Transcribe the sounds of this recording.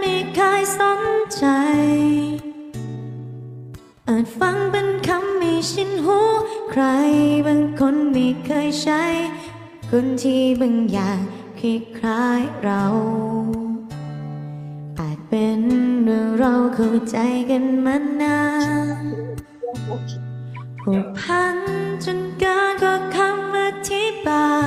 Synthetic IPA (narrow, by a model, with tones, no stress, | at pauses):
me˧˩kʰaː˧˥jso˨˦nt͡ɕa˧˦jj | ʔaː˨˩t̪̚fa˧˥ŋpe˧nkʰa˧˥mːi˧˩si˧˥nɦuː˦˥kʰɾa˧˥jba˧ŋkʰo˧˥nmiː˧˩kʰɤː˧˥jt͡ɕa˧˥j | kʰo˧˥nt̪ʰiː˧˩bɯ˧˩ŋjaː˨˩ŋ | kʰɾi˧kʰɾaː˧˥jɾa˧w | ʔaː˨˩t̪̚pe˨˧nɾɯ˨˧˩ɾa˧wkʰa˧˩wt͡ɕa˧˦jka˧nma˧˥nːaː˧˥ | pʰo˨˩pʰa˧nt͡ɕo˧˥nkaː˧˥kɔː˧˩kʰa˧˥mːa˧t̪ʰi˧˥baː˧